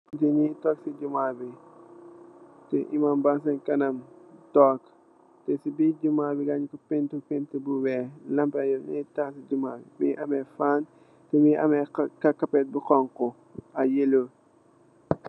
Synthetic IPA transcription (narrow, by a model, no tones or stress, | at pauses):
d͡ʒinitɔksiɟumaːbi | tɛʔimaːmbas̬ɐnkɐnɐmtɔːk | tɛsibiɟumaːbiɡaɲkɔpentupentəbuwɛlɐmpɐjɔnitasid͡ʒumaːbḭmiʔɐmɛfaːn | tɛmiʔɐmɛkɐkɐpɛt̚bukɔŋkɔ | ɐjelo